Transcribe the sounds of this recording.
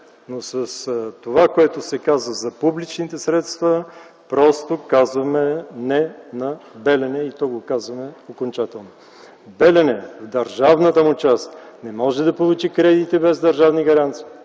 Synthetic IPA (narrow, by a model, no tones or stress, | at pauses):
nosɐst̪ovakoɛt̪osɛkazvəzɐpublit͡ʃnit̪ɛsɾɛt̪st̪və | pɾɔst̪okazvɐmɛnɛnɐbɛlɛnɛit̪ɔɡokazvɐmɛokont͡ʃat̪ɛlˠno | bɛlɛnɛvd̪ɐɾʒavnət̪əmʊt͡ʃast̪nɛmɔʒɛd̪ɐpolˠut͡ʃikɾɛd̪it̪ibɛzd̪ɐɾʒavniɡɐɾant̪si̥ː